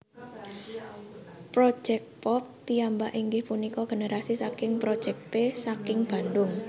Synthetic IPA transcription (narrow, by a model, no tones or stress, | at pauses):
pɾo̥ʒ̥ɛk̚pɔp̚t̪iambaʔiŋɡɪhpunikɔɡ̥e̤nəɾasisakɪŋpɾod̥ʒ̥ɛk̚pesakɪŋb̥a̤nd̪ʊŋ